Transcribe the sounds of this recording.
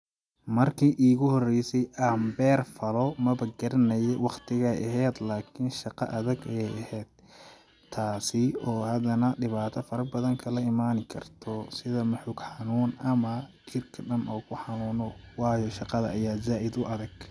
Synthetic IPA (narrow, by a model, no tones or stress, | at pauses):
mɐrkʰiːʔiːɣʊhɔrɛjsɛjʔaːmbɛːrfɐlɔmɐβɐɡɐɾɪnɐjɛwɑqt̪ʰɪɣɐʔɐ̰ɦɛːd̪laːkʰɪnʃɑqɑʔɐðɐɡɛjɐhɛːd̪̥ | t̪ʰːaːsɪɔːhɐd̪ɐnɐɖɪβaːt̪ʰɐfɐɾɐbɐðɐŋkʰɐlɐɪmaːnɪkʰɐ̰rt̪ʰɔsɪðɐmʊħʊɡħɑnuːnɐmɐt͡ʃʰirkʰɐɖɐnɔːkʰʊħɑnuːnɔwɑːjɔʃɑqɑðɐʔɐjaːzaːʔɪd̪ʊʔɐðɐɡ̥